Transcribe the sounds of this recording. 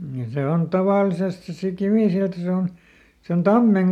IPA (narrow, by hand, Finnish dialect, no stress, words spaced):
jɑ se on tɑʋɑˑlisest se si kiʋiˑsiltɑ se on se on tɑmːeŋ